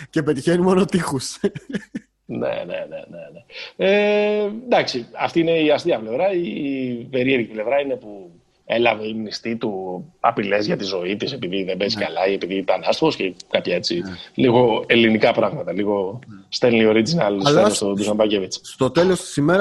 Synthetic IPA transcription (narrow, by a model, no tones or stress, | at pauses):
cepe̞t̪içe̞nimo̞no̞t̪ixus | nḛnḛneneneend̪ɐksiɐ̰ft̪iine̞iɐst̪iɐple̞vɾɐipe̞ɾieɾʝiple̞vɾɐine̞pu | e̞lɐve̞imnist̪it̪uɐ̰pile̞zʝɐt̪izo̞it̪ise̞piðiðembeziskalɐiepiðit̪ɐnɐst̪ovoscekɐpçɐe̞t͡siliɣo̞e̞linikɐpɾɐɣmɐt̪ɐliɣo̞st̪elio̞ɾid͡zinɐlt̪isleost̪ot̪uzɐmbɐcevit͡sst̪o̞t̪e̞lo̞st̪i̥simeɾɐ